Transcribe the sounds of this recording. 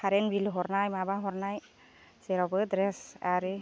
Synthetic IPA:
kʰaɾenbilɦɔɾnajmabaɦɔɾnaj | zeɾɔbɯdɾɛsaɾɯ

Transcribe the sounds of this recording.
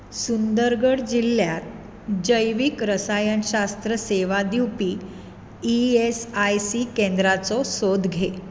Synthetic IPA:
sund̪əɾɡəɽd͡ʑilːjat̪̚ | d͡ʑəjʋikɾəsajənɕast̪ɾəseʋad̪iwpiː | iesajsikend̪ɾat͡sɔsod̪ɡʱe

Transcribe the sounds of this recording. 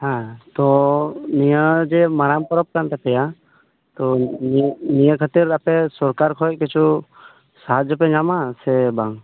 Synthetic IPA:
hãt̪ɔnijəd͡ʒɛmaɾamkɔɾɔp̚kant̪ɛpɛja | t̪ɔ | nijəkʰat̪iɾapɛsɔɾkaɾkʰɔjc̚kit͡ʃʰu | saɦad͡ʒɔpɛɲamasɛbaŋ

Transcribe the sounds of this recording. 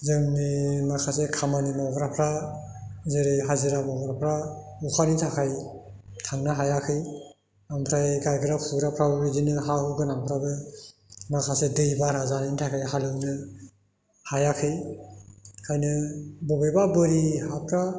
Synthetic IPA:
zɯŋnimakʰasekʰamanimɔwɡɾapʰɾa | zɯɾiɦazɯɾamɔwɡɾapʰɾaukʰanitʰakʰaj | tʰaŋnɯɦajakʰɯj | ampʰɾajɡajɡɯɾapʰuɡɾapʰɾabɯbizinɯɦahuɡɯnampʰɾabɯ | makʰasedɯjbaɾazanintʰakʰajɦalɯwnɯ | hajakʰɯj | kʰajnɯbɔbɯjbabɯɾihapʰɾa

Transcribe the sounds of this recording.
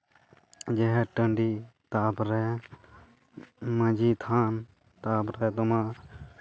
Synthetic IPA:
d͡ʒeɦɛʈəɳɖiːt̪aːpɾe | mə̃d͡ʒiːt̪ʰaːn | t̪aːpɾet̪ʊmãː

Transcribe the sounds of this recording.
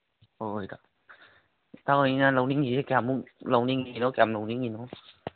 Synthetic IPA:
oka | t̪aːoinaːləwniŋiekɛmuləwniŋinɔkɛmlowniŋinɔ

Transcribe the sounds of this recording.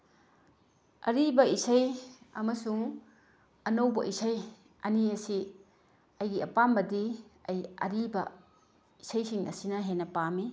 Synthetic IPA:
ɐ̰ɾibɐisɐjɐ̰mɐsuŋ | ɐnɐwbɐʔisɐj | ɐniɐsi | ɐjɡiɐpambɐdiɐjɐ̰ɾibɐ | isɐjsiŋɐ̰sinɐɦenɐpami

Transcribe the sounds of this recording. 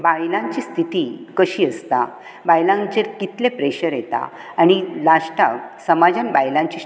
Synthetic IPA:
bajlãɲt͡ɕiːst̪ʰit̪ikəɕiːəst̪a | bajlãŋt͡ɕeɾkit̪lepɾeɕəɾjet̪a̰ | aɽ̃ilaɕʈaksəmad͡ʑanbajlãɲt͡ɕi

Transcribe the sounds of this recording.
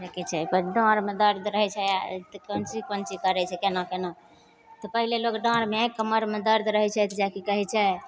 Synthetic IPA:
d͡ʒekɛt͡ʃʰɛpəɖɔ̃ɾmed̪əɾd̪ɾəɦɛt͡ʃʰɛa̰t̪kont͡ʃikont͡ʃikəɾɛt͡ʃʰɛkenakeno | t̪ɔpəɦilelokɖɔ̃ɾmekːəməɾmed̪əɾd̪ɾəɦɛt͡ʃʰɛt̪ʰd͡ʒakikəɦɛt͡ʃʰɛ

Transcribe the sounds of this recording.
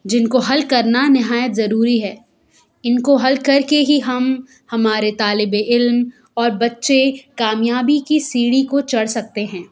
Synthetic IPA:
d͡ʒɪnkoɦɐlkɐɾnanɪɦaːjət̪zɐɾuːɾiɦɛː | ɪnkoɦɐlkɐɾkeɦiɦɐm | hɐmaːɾet̪aːlɪbeʔɪlm | ɔːɾbɐtːʃekaːmjaːbikisiːɽikot͡ʃɐɽsɐk̚t̪eɦɛ̃ː

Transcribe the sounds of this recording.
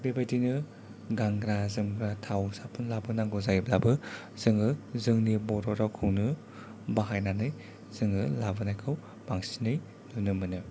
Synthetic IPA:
bebajdinɯ | ɡaŋɡɾazɯmɡɾatʰawsapʰɯnlabɯnaŋɡɔzajb̚labɯ | z̥ɯŋɯzɯŋnibɔɾɔɾawkʰɯwnɯ | baɦajnanɯj | z̥ɯŋɯlabɯnajkʰɯw | baŋsinɯj | nɯnɯmɯnɯ

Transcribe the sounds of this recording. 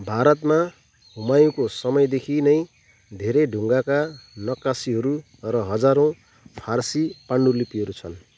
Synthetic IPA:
bʱaɾʌt̪ma | ɦumajũkosʌmʌjd̪ekʰinʌj̃ | d̪ʱeɾeɖʱuŋɡakanʌkasiɦʌɾu | rʌɦʌd͡zaɾõ | pʰarsipaɳɖulipiɦʌɾut͡sʰʌn

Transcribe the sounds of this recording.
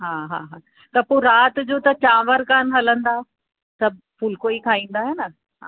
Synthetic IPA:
ɦaːɦaːɦaː | t̪ɐpoːɾaːt̪d͡ʑoːt̪ɐt͡ɕãːʋəɾkaːnɦɐlə̃nd̪aː | sɐbʱ | fʊlkoikʰaːĩːn̆d̪aːɦenɐ | ɦa̰ː

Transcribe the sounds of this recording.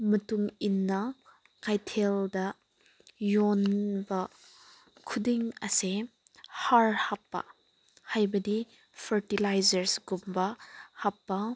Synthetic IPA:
mɐtuŋinːɐ | kajtʰeldɐ | jɔnbɐ | kʰudiŋɐse | haɾhapːɐ̰ | hajbɐdi | pʰɐɾtilajzɐɾsɡumbɐhapːɐ

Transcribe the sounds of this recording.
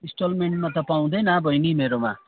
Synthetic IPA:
ĩsʈolmeɳʈmat̪ʌpaw̃d̪enabʱʌjnimeɾoma

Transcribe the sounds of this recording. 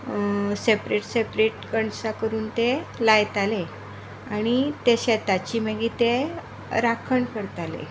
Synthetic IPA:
sepɾeʈsepɾeʈkəɳsakəɾuːnt̪elajt̪ale | aɽ̃it̪eɕɛt̪at͡ɕiməɡiːt̪e | ɾakʰəɳkəɾt̪alḛ

